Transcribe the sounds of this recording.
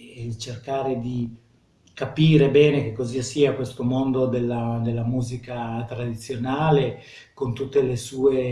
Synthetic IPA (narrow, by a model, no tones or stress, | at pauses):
t͡ʃerkaːɾed̪i | kapiːɾebɛːnek̟ekːoziasiːakwest̪omond̪od̪elːad̪elːamuːzikat̪ɾad̪it̪sːjonaːle | kont̪ut̪ːelesuːe